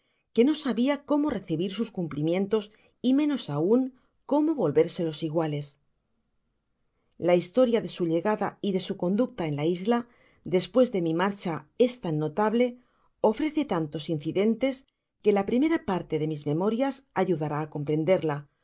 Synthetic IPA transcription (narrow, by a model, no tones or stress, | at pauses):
ke̞no̞saβiako̞mo̞re̞θiβiɾsuskumplimjẽ̞nt̪o̞s | imẽ̞no̞sauŋ | ko̞mo̞βo̞lβe̞ɾse̞lo̞siɣ̞wale̞s | laist̪o̞ɾjaðe̞suʎe̞ɣaðaiðe̞suko̞nd̪uk̚t̪ae̞nlaizla | ðe̞spwe̞zðe̞mimaɾt͡ʃae̞st̪anːo̞t̪aβle̞ | o̞fɾe̞θet̪ant̪o̞sin̟θiðe̞nt̪e̞s | ke̞lapɾime̞ɾapaɾt̪e̞ðe̞mizmẽ̞mo̞ɾjasaʝuðaɾaːko̞mpɾe̞nd̪e̞ɾla